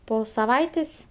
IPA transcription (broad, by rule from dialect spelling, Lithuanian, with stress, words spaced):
ˈpoː sɐˈʋɐɪtʲeːsʲ